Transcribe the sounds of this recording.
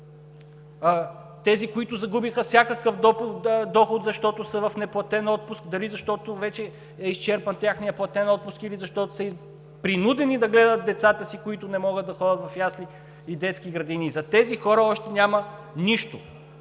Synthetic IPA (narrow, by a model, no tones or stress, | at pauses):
t̪ɛzikoit̪ʊzɐɡubixəfsʲjakəkəfd̪d̪ɔxʊt̪zɐʃt̪ɔt̪ʊsəvɐfnɛplˠɐt̪ɛnɔt̪̚pʊsk̚d̪ɐɾizɐʃt̪ɔt̪ovɛt͡ʃɛ | ɛist͡ʃɛɾpənt̪jaxnijəplˠɐt̪ɛnɔt̪̚pʊskilizɐʃt̪ɔt̪o̥səi | pɾinud̪ɛnid̪ɐɡlɛd̪ət̪̚d̪ɛt̪sat̪əsikʊit̪ʊnɛmɔɡət̪ːɐxɔd̪ɐt̪vɐfjasli | id̪ɛt̪skiɡɾɐd̪inizɐt̪ɛzixɔɾəɔʃt̪ɛnʲamɐniʃt̪o